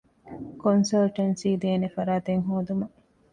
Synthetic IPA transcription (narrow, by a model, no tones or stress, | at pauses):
konsɐlʈɐnsiːd̪eːnefɐɾaːt̪eŋɦoːd̪umɐ